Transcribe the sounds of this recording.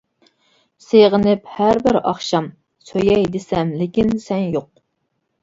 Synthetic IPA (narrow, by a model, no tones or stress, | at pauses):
seʁənɪphæɾbɪɾɑχʃɑm | søjɛjd̪esɛmlɪkʲinsɛnjoq̚